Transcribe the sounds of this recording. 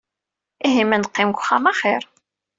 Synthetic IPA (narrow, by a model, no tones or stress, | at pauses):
iɦimænqːɪmkʷχamaχɪɾ